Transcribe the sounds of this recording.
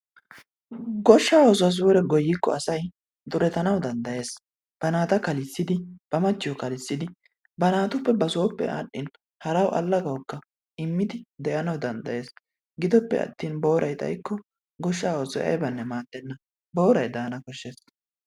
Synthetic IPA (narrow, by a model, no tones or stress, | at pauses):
ɡɔʃːaːwoːs̬ʊwɐs̬uːɾɛɡɔjːɪkːɔ̰ɐsɐj | d̪ʊɾɛt̪ɐnɐwd̪ɐnd̪ɐje̞ːs | b̥ɐnaːt̪ɐkɐlɪsːɪd̪ɪb̥ɐmɐt͡ʃːɪjɔkɐlɪsːɪd̪ɪ | bɐnaːt̪ʊpːɛbɐsoːpːɛ̰ʔaːɗːɪn | hɐɾɐwʔɐ̰lːɐɡɐwkːɐ | ɪmːɪd̪ɪd̪ɛʔɐnɐwd̪ɐnd̪ɐje̞ːs | ɡɪd̪ɔpːɛ̰ɐ̰t̪ːiːnbo̞ːɾʔɐjt̪ʼɐ̰jkːɔ | ɡɔʃːaːwoːsɔjɐ̰jbɐnːɛmaːd̪ːɛnːɐ | bo̞ːɾɐjd̪aːnɐkɔʃːes